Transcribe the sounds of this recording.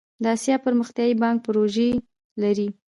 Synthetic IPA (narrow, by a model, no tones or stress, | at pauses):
d̪əɑsjɑpəɾməxt̪jɑjibɑŋk̚pəɾoʒe | laɾi